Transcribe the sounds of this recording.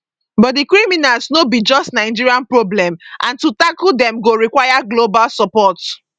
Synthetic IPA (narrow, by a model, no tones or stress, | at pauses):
bɔt̚dikɹiminalsnobid͡ʒɔstnaɪd͡ʒiɹiãnpɹoblɛ̃mʔãntutakuldɛ̃mɡoɹikwajaɡlobalsɔpɔt